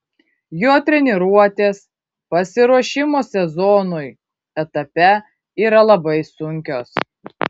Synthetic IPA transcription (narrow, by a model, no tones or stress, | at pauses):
joːt̪ʲɾʲɛnʲɪɾuɔt̪ʲeːs | pɐsʲɪɾuɔʃʲɪmoːsʲɛzɔnʊj | ɛt̪ɐpʲɛ | iːɾɐlˠɐbɐɪsʊŋʲkʲoːs